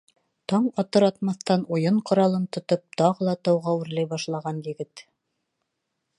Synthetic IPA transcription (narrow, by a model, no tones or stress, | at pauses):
t̪ɑɴɑt̪ɤɾɑt̪̚mɑθt̪ɑnujɤɴqŏɾɑlˠɤnt̪ŏt̪op̚t̪ɑʁɤlˠɑt̪ɑwʁɑwɘ̆ɾlæjbɑʃlˠɑʁɑnjɘ̆ɡɘt̪